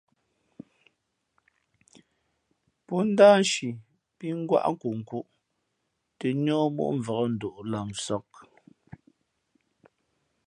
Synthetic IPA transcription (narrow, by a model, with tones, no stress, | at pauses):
pɔ˦n̩˦daː˦n˦ʃi˨ | pi˦ŋ̩˦ɡwa̰˦ʔŋ̩˦ku˨ŋ̩˨ku˦ʔ | te˨ɲɔː˦mo̰˦ʔɱ̩˨və˨ɣɔ˦n̩˨do˨ʔla˨ŋsɔ˦k̚